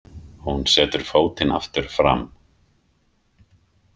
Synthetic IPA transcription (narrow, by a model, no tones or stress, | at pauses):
hhunsɛːt̪ʏɾ̥foːwt̪ɪna̰ft̪ɪɾ̥fɾa̰m